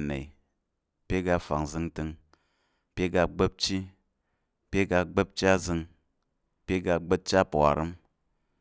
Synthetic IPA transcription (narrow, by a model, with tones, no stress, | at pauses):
nḛ˨i˨ | pe˦ɡa˧fa̰˨ŋzɨ˧ŋtɨ˧ŋ | pʲe˦ɡa˧ɡ͡be˦p̚t͡ʃi˦ | pe˦ɡa˧ɡ͡be˦p̚t͡ʃa˦zɨ˧ŋ | pe˦ɡa˧ɡ͡be˦t̚t͡ʃa˦pa̰˨ɾɨ˦m